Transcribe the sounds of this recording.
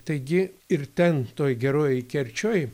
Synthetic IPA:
t̪ɐɪɡʲɪɪrt̪ʲɛnt̪oːjɡʲɛɾoːjɛɪkʲɛɾʲt͡ʃʲoːj

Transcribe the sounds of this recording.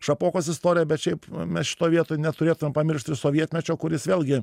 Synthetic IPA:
ʃɐpoːkoːsɪst̪oːɾʲɪjɛbʲɛt̪ʃʲɛɪpmʲɛsʃʲɪ̥t̪oːjʋʲiɛt̪oːjnʲɛt̪ʊɾʲeːt̪ʊmʲeːmpɐmʲɪɾʲʃʲt̪ʲɪsoːʋʲiɛt̪ʲmʲɛt͡ʃʲoːkʊɾʲɪsʋʲeːlʲɡʲɪ

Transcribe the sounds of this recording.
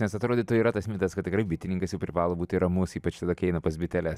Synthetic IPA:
nʲɛsɐt̪ɾoːdʲiːt̪oːjiːɾɐt̪ɐsmʲɪt̪ɐskɐt̪̚ʲɪkɾɐɪbʲɪt̪ʲɪnʲɪŋkɐsjɛʊpʲɾʲɪʋɑːlˠoːbuːt̪ʲɪɾɐmʊsiːpɐt͡ʃt̪ɐd̪ɐkɛɪnɐpɐsbʲɪt̪ʲɛlʲɛs

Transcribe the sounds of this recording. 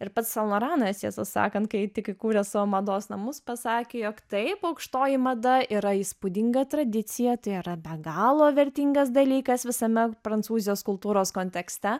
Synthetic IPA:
ɪɾpɐt̪ssɐlˠnoːɾɑːnɐst̪ʲiɛsɐsɑ̰ːkɐnt̪̚kɐɪt̪ʲɪkɪkuːɾʲɛsɑʋoːmɐd̪oːsnɐmʊspɐsɑːkʲeːjoːkt̪ɐɪpɐʊkʃt̪oːjɪmɐd̪ɐiːɾɐiːspʊd̪ʲɪŋɡɐt̪ɾɐd̪ʲɪt̪sʲɪjɛt̪ɐɪiɾɐbʲɛɡɑːlˠoːʋʲɛɾʲt̪ʲiŋɡɐs̬d̪ɐlʲiːkɐsʋʲɪsɐmʲɛpɾɐnt̪suːzʲɪjoːskʊlˠt̪uːɾoːskoːnʲt̪ʲɛksʲt̪ʲɛ

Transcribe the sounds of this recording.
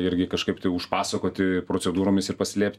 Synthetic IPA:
ɪɾʲɡʲɪkɐʃkɐɪpt̪ɐɪʊʃpɑːsɐkoːt̪ʲɪpɾoːt͡s̪ʲɛd̪uːɾoːmʲɪsɪɾpɐsʲlʲeːpʲt̪ʲ

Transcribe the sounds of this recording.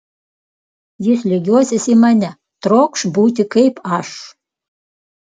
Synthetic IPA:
jɪslʲɪɡʲuɔsʲɪsimɐnʲɛ | t̪ɾoːkʃbuːt̪ʲɪkɐɪpɐʃ

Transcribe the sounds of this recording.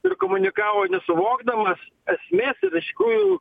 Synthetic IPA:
ɪrkoːmʊnʲɪkɑːʋoːjnʲɛsʊʋoːɡd̪ɐmɐsɛsʲmʲeːsɪɾɪʃʲt̪ʲɪ̥kɾuːjuː

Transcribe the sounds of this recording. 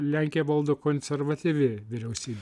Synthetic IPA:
lʲæˑŋʲkʲejɛʋɐlˠd̪okoːnʲsʲɛɾʋɐt̪ʲiːʋʲɪʋʲɪɾʲɛʊsʲiːbʲ

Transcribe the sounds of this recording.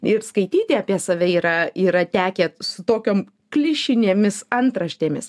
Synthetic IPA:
ɪɾskɐɪt̪ʲiːt̪ʲɪɐpʲiɛsɐʋʲɛiːɾɐiːɾɐt̪ʲæːkʲeːtsʊt̪oːkʲoːm | klʲɪʃʲɪnʲeːmʲɪsɐnt̪ɾɐʃʲt̪ʲeːmʲɪs

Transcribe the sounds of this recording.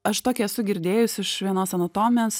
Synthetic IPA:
ɐʃt̪oːkʲɛɛsʊɡʲɪɾʲd̪ʲeːjʊsʲɪɪʃʋʲiɛnoːsɐnɐt̪oːmʲoːs

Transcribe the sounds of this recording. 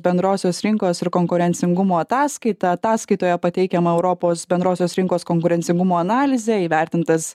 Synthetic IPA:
bʲɛnd̪ɾoːsʲoːsɾʲɪŋkoːsɪɾkoːŋkʊɾʲɛnʲsʲɪŋɡʊmoːɐt̪ɑːskɐɪt̪ɐɐt̪ɑːskɐɪt̪oːjɛpɐt̪ʲɛɪkʲɛmɐɛʊɾoːpoːsbʲɛnd̪ɾoːsʲoːsɾʲɪŋkoːskoŋkʊɾʲɛnʲsʲɪŋɡʊmoːɐnɑːlʲɪzʲɛiːʋʲɛɾʲt̪ʲɪnt̪ɐs

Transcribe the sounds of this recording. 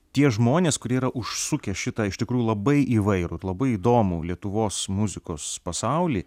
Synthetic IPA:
t̪ʲiɛʒmoːnʲeːskʊɾʲiɛiɾɐʔʊʃsʊkʲɛʃʲɪt̪ɐɪʃt̪ʲɪkɾuːjulˠɐbɐɪʔiːʋɐɪɾʊlˠɐbɐɪiːd̪oːmṵlʲiɛt̪ʊʋoːsmʊzʲɪkoːspɐsɑʊlʲiː

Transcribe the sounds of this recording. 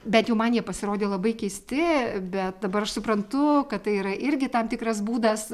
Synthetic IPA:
bʲɛntjɛʊmɐnjiɛpɐsʲɪɾoːd̪ʲeːlˠɐbɐɪkʲɛɪsʲt̪ʲɪbʲɛt̪d̪ɐbɐɾɐʃsʊpɾɐnt̪ʊkɐt̪t̪ɐɪiɾɐʔɪɾʲɡʲɪt̪ɐmt̪ʲɪkɾɐs̬buːd̪ɐs

